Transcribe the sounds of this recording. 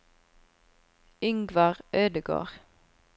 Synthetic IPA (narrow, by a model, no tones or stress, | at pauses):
ʏŋɡʋɑʁøːd̪əɡo̰ːʁ